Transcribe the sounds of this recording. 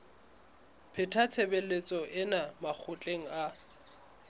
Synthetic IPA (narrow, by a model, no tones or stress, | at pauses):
pʰɪtʰat͡sʰebelet͡sʼɔʔɪnamak͡xʰʊt͡ɬʼeŋ̩a